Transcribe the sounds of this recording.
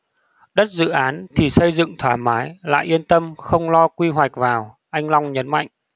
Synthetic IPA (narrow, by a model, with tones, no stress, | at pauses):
ɗə˦˥t̚zɨ̰˧˨ʔaː˨˦nt̪ʰi˨˩sə˧jzɨ̰˧˨ŋt̪ʰwaː˧˩maː˨˦jla̰ː˧˨jʔi˧ənt̪ə˧mxə˧wŋ͡mlɔ˧kwi˧ɦwa˨˩jk̟̚vaː˨˩w | ʔa˧jŋ̟la˧wŋ͡mɲə˨˦nma̰˧˨jŋ̟